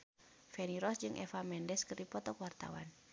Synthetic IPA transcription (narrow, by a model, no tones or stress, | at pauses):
fɛniɾɔsd͡ʒɨŋʔɛ̰famɛndɛskɨrdipɔt̪ɔkwart̪a̰wa̰n